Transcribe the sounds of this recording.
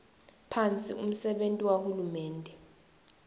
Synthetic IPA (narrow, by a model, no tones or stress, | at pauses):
pʰant͡sʼḭum̩sɛɓentʼiwahulumɛːndʱɛ